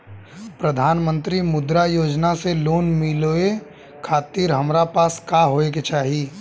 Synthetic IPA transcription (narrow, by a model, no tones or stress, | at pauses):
pɾəd̪ʱaːnmə̃nt̪ɾimʊd̪ɾajoːd͡ʒnaseloːnmɪloe | kʰaːt̪iːɾɦɐmɾapaːskaɦoːeket͡ʃaːɦi